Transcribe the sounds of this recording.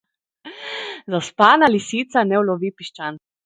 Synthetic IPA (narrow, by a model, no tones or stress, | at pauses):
zaspaːnalisit̪sanɛwlɔʋiːpiʃt͡ʃan